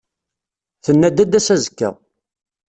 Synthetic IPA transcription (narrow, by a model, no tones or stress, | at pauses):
θənːæd̪æd̪æsæzəkːæ̰